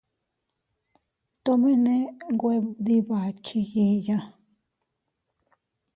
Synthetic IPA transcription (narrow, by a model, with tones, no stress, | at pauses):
t̪o˧mĩ˦nẽ˦ŋɡʷe˦˧ði˧βa˨t͡ʃi˧ji˧jã˧